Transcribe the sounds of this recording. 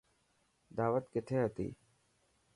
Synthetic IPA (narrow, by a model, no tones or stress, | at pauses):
d̪aːʋət̪kɪt̪ʰeːɦət̪ḭː